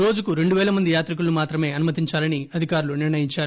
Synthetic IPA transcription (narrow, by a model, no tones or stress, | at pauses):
ɾo̞ːd͡ʒukuɾe̞ɳɖuʋɛːlɐmɐnd̪ijaːt̪ɾik̬ulumaːt̪ɾɐme̞ːɐnumɐt̪iɲt͡ʃaːlɐniɐd̪ʱikaːɾuluniɾnɐjiɲt͡ʃaːɾu